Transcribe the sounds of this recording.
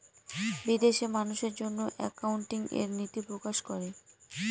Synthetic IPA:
bid̪eʃemanuʃeɾd͡ʑonːoʔɛ̰kauɳʈiŋḛɾnit̪ipɾokaʃkɔɾe

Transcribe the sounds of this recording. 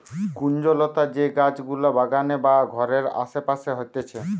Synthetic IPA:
kund͡ʑolot̪ad͡ʑeɡad͡ʑɡulobaɡanebaɡʱɔɾeɾa̰ʃepaʃeɦojt̪et͡ɕʰe

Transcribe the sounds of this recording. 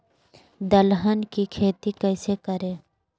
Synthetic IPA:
d̪əlɦənkikʰeːt̪ikəːsekəɾẽː

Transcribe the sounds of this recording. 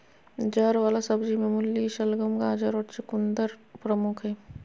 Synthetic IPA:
d͡ʒaɾʋaːlasɐbd͡ʒimẽmʊljiʃəlɡəmɡãːd͡ʒəɾɔʈt͡ʃekʊnd̪əɾpɾəmʊkʰɦɛː

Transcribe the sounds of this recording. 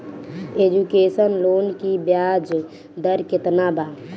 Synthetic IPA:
eːd͡ʒukeːsənloːnkibjaːd͡ʒ | d̪əɾkɪt̪nabaː

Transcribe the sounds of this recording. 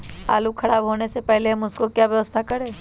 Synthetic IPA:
a̰ːlukʰəɽaːbɦoːnesepɛɦleɦmʊskokjaːʋjəʋəst̪ʰakəɾeː

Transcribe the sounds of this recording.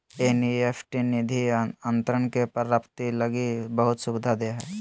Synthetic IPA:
enieːpʰʈinid̪ʱiə̃nt̪ɾəɳkepəɾəpt̪iləɡibəɦʊt̪sʊbɪd̪ʱad̪eɦɛː

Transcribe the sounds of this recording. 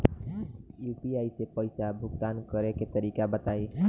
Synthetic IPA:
juːpiaːisepəɪsabʱʊɡt̪aːnkəɾeket̪əɾiːkabət̪aːiː

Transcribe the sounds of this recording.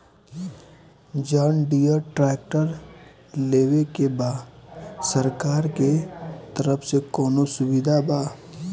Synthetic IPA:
d͡ʒaːnɖijəɾʈɾɛːk̚ʈəɾ | leːwekebaːdsəɾkaːɾket̪əɾəpsekɔːnosʊʋɪd̪ʱabaː

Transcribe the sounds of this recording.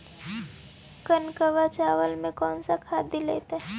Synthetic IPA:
kənkəʋat͡ʃaːʋəlmẽkɔːnsakʰaːd̪ileːt̪aɦɛ

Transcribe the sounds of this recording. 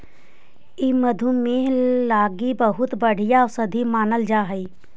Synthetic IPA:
iməd̪ʱumẽlaːɡibəɦʊt̪bəɽ̤ijasəd̪ʱimaːnəld͡ʒaːɦəiː

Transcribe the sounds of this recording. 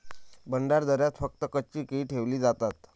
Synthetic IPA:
bəɳɖaɾd̪əɾjat̪fək̚t̪əkət͡ɕiːkeiʈʰeʋliːd͡zat̪at̪

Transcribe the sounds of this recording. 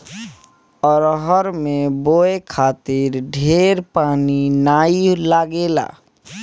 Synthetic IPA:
ɔːɾɦɔɾmẽboːekʰaːt̪ɪɾɖʱeːɾpaːninaːilaːɡeːla̰ː

